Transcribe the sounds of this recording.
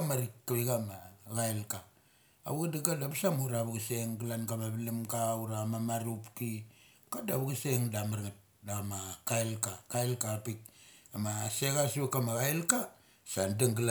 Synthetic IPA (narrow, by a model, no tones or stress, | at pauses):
amaɾikːaβiɡamaɣaelka̰ː | βuɡadiɡadabasamuɾaβuɡaseŋɡilankamaβilimkauɾamamaɾupki | kadaβuɡaseŋdamaɾŋat̚ | damakaelkakaelkapik̚amaseɣasβakamaɣajlka | sandaŋɡl